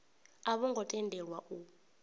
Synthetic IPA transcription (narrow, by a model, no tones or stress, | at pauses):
aβɔŋɡʱɔtʼɛndʱɛɺwaʔu